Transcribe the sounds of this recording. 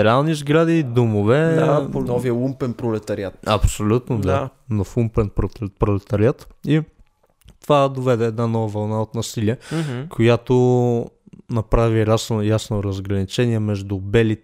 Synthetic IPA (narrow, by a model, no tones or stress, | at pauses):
ɛɾalˠnizɡɾad̪iːd̪omovɛanɔviəumpɛnpɾolɛt̪ɐɾiat̪ɐpsolʲut̪nod̪anɐfumpɛnpɾopɾolɛt̪ɐɾiat̪i | t̪ovad̪ovɛd̪ɛːd̪nanɔvɐvɐlˠnaot̪nɐsiliɛkʰojat̪o | nɐpɾaviɾasnojasnoɾɐzɡɾɐnit͡ʃɛniɛmɛʒd̪ʊbɛlit̪